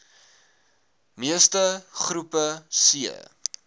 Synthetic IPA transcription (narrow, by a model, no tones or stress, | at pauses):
miəstəχrupəsiə̰